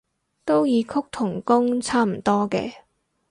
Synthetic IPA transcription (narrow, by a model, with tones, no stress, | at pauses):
t̪o˥wjiː˨˧kʰʊ˥k̚t̪ʰʊ˨˩ŋkʊ˥ŋt͡sʰaː˥m̩˨˩t̪ɔː˥kɛ̰ː˧